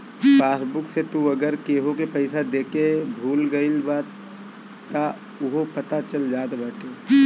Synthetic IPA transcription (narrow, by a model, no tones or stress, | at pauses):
faːsbʊkset̪uɐɡəɾkeːɦõkepɐɪsad̪eːkebʱuːlɡɐɪlbaːt̪ː | a | ʊɦopɐt̪at͡ʃɐld͡ʒaːt̪baːʈʰeː